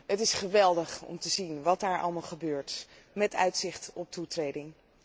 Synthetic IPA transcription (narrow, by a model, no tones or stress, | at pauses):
ɦətɪsχəʋɛlˠdəχɔ̰mtəzinʋɑtdaːɹʔɑ̰lˠmɑlˠχəbøːɹt | mɛtœ̰ɥtsɪχtɔp̚tutrejdɪŋ